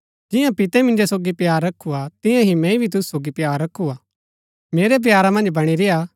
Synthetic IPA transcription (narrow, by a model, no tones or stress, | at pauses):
d͡ʒɪjãpɪt̪ɛmɪ̃nd͡ʒosoːɡipjaːɾːɐkʰuat̪ɪ̃jãɦimɛ̃ibʱit̪ʊsu̥soːɡipjaːɾːɐkʰːuaː | meːɾep̬jaːɾamɐ̃nd͡ʒbɐɽ̃iɾeja